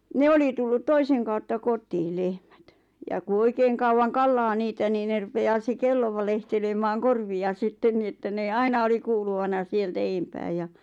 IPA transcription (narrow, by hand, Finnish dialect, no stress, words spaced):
ne oli tulːut toiseŋ kɑutːɑ kotˑiː lehmæt jɑ ku oikeːŋ kɑuwɑn kɑlːɑː niːtæ niː ne rupeɑː se kelːo ʋɑlehtelemɑːŋ korʋiɑ sitːen ni etːæ neː ɑinɑ oli kuːluʋɑnɑ sieltæ eːmpæː jɑ